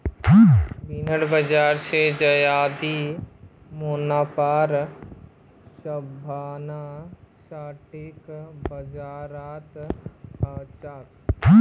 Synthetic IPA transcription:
binəɽbəd͡ʒaːɾsed͡ʒɐjaːd̪i | monaːpaːɾ | səbʱaːnaʃaːʈɪkbɐd͡ʒaːɾaːt̪ | at͡ʃaːt̪

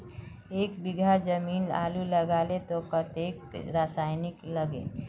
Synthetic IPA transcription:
eːkbɪɡʱad͡ʒəmiːna̰ːluləɡaːlet̪okət̪eːkɾasaɪnɪkləɡḛ

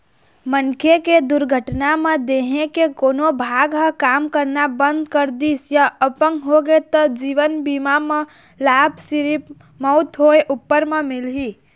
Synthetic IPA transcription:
mənkʰeked̪ʊɾɡʱəʈnamẽd̪eːɦẽkekoːnobʱaːɡɦə̃kaːmkəɾnabə̃nd̪kəɾd̪iːsjaəpəŋɦoɡet̪əd͡ʒiːʋənbiːmamẽ | laːbsɪɾip | mɔʊt̪ɦoeʔʊpːəɾmẽmɪlɦiː

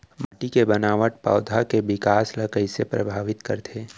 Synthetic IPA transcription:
maːʈikebɐnaːʋəʈ̚pa̰ʊd̪ʱakeʋɪkaːslɐkəisepɾɐ̰bʱaːʋɪt̪kə̰ɾt̪ʰeː

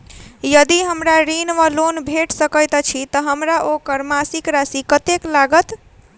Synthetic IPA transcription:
jəd̪iɦəmɾaɾinʋəlonbʱeʈsəkəjt̪t͡ʃʰit̪əɦəmɾaʔokəɾmasikɾasikət̪eklaɡət̪

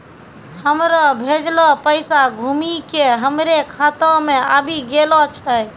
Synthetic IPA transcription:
həmɾɔbʱed͡ʒlɔpəɪsaɡʱumikeɦəmɾekʰat̪ɔmeabʱiɡelɔt͡ʃʰɛj

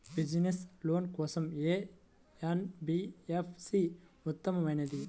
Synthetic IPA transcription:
bid͡ʒnesloːnkoːsɐmeː | ɐnbiefʰsi | ut̪ːɐmɐʋɐjnɐd̪i

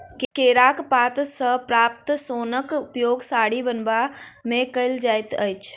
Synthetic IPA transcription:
kkeːɾaːkpaːt̪səɦpɾaːp̚t̪soːnəkʊpjoːɡsaːɽibənbamẽkəɪld͡ʒaːjt̪əjt͡ʃʰ

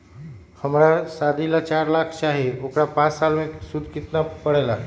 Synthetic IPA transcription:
həmɾasad̪ʱilat͡ɕaɾlakʰɕaɦeokɽapãt͡ssalʋẽksud̪ʱkit̪napəɽajla

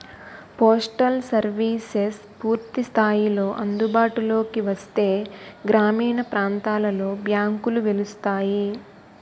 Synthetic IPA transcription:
poːsʈɐlsɐɾʋiːses | puːɾt̪ist̪ʰaːjilo̞ːʔɐnd̪ubaːʈulo̞ːkiʋɐst̪e̞ːɡɾaːmiːɳɐpɾaːnt̪aːlɐlo̞ːbjaːŋkuluʋelust̪aːji

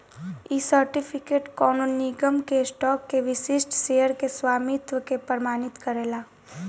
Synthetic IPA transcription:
iːsəɾʈɪpʰɪkeːʈkɔːnoniɡəmkesʈɔːkːeʋɪsɪsʈseːjəɾkeswaːmɪt̪ʋəkepəɾmaːnɪt̪kɐɾeːlaː

